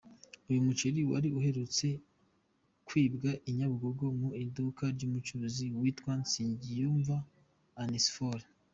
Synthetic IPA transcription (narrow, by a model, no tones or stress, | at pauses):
ujumut͡ʃeɾiwa̰ɾiuɦe̞ɾut͡se̞ | kwiːbɡaʔiɲaβuɡoɡomuidukaɾɟumut͡ʃuɾuziwitwansiːɲɟijuːɱvaː | nisfoɾ